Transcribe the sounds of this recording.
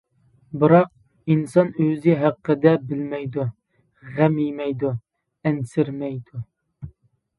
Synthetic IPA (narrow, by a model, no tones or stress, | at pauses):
bɨɾɑq̚ | insɑnøzɪɦæqːəd̪ɛbɪlmɛjd̪u | ʁæmijmɛjd̪u | ɛnsɪɾmɛjd̪u